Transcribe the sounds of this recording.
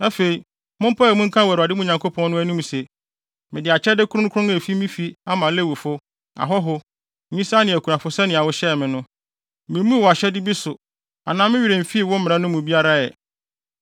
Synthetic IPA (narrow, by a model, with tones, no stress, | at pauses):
æ˦fe˨i˨ | mʊ̃˦m˦pʰa˦˨mũ˦ŋ̩˦kʰã˦wæ˨ɾa˨dɪ˦mʊ̃˦˨ɲã˨ŋkʰo˦pʰɔ̃˦n˦nʊ̃˦æ˦nũ˦m˨se˨ | mɪ̃˨dɪ˨a˨t͡ɕʰɛ˦dɪ˦kʰʊ˦ɾʊ̃˦n̩˦kʰʊ˦ʊ̃˦ŋe˨fi˦mĩ˦fi˦a˦mã˨le˦wu˨fʊ˦ | a̰˨ɦɔ˦ɦʊ˦˨ | ɲĩ˦sa˦nɪ̃˨æ˨kʰu˨ã˨fʊ˦sɛ˦nɪ̃˨a˨wʊ˦ɕɛ˦˨mɪ̃˨nʊ̃˦ | mɪ̃˨˦mũ˦wɔ˨a˨ɕɛ˦dɪ˦bi˦sʊ˨ | a˨nãː˨mɪ̃˦ɥi˨ɾe˨m̩˨fi˦˨wʊ˦m̩˦mɪ̃˨ɾã˦nʊ̃˦mʊ̃˨bi˦a˦ɾa˦jɛ̰˨